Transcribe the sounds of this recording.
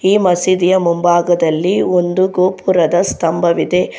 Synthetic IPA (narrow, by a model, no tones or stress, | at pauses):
iːmɐsid̪ijɐmumbaːɡɐd̪ɐlːio̞nd̪uɡoːpʰuɾɐd̪ɐst̪ɐmbʱɐʋid̪e̞